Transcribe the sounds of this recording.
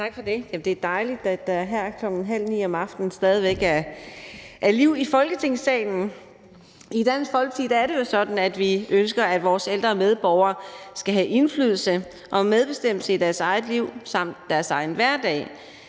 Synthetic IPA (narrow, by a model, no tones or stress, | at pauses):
t͡sʰɑ̈ɡ̥fɒd̥e̝jæmd̥e̝æɐd̥ɑ̈ɪlid̥æd̥ɑɦæɐ̰kʰlɒ̽ɡ̥n̩ɦæl̰nḭːɒ̽mɑ̈fd̥n̩sd̥ɛːð̞ˠiʋeɡ̥æɐ | ʔæɐliʊ̰ifɒ̽lɡ̥ət͡sʰe̝ŋ̰sɛ̰ːɪn̩ | id̥ænsfɒ̽lɡ̥ət͡sʰḭːd̥ææɐɾe̝jelsɒ̽d̥n̩æd̥ʋiønsɡ̥ɐæd̥ʋɒːseld̥ʁɐːmeð̞ˠb̥ɒʊɐsɡ̥æɦæʔe̝nfly̰ːð̞ˠl̩sə | ʔɒ̽með̞ˠb̥e̝sd̥em̰l̩səid̥æɐsɑ̈ɪð̩ˠliʊ̰sɑ̈m̰d̥ːæɐsɑ̈ɪn̩ʋæɐ̰d̥ɛ̰ː